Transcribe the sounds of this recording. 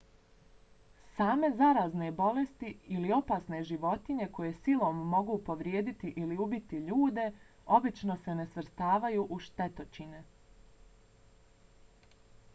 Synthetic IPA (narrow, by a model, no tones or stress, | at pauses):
saːme̞zaɾaːzne̞bo̞le̞st̪iilio̞paːsne̞ʒiʋo̞t̪iɲe̞ko̞je̞silo̞mːo̞ɡupo̞ʋɾje̞ːd̪it̪iʔiliubit̪iʎuːd̪e̞ | o̞bit͡ʃno̞se̞ne̞sʋr̩st̪aːʋajuʔuʃt̪e̞t̪o̞t͡ɕine